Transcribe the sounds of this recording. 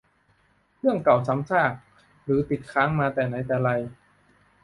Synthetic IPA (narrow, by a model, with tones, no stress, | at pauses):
pʰɯ˥˩əŋka˨˩wt͡ɕʰa˨˦˥mt͡ɕʰaː˥˩k̚ | ɾɯː˩˦t̪i˨˩t̪̚kʰaː˦˥ŋmaː˧t̪ɛː˨˩na˧˥jt̪ɛː˨˩ɾa˧j